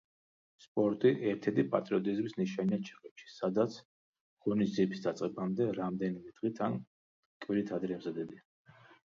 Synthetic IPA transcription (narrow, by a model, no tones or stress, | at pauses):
spʼɔɾt̪ʼiʔɛɾt̪ʰɛd̪ipʼa̰t̪ʼɾiɔt̪ʼizmisniʃaniat͡ʃʰiqʼɛpʃi̥sad̪at̪sʰ | ʁ̥ɔnisd̪ziɛpʰi̥sd̪at̪sʼqʼɛbamd̪ɛɾamd̪ɛnimɛd̪̥ʁit̪ʰan | kʼwiɾit̪ʰad̪ɾɛːmzad̪ɛbia